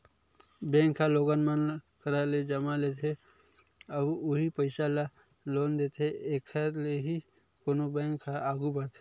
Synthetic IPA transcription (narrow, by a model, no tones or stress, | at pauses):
bɛ̃ːŋkʰːaloːɡanmən | kəɾaled͡ʒɐmalet̪ʰe | əbʊɦipəɪsala | loːnd̪eːt̪ʰeeːkʰəɾleɦi | konobɛ̃ːŋkʰːaaːɡubəɾt̪ʰe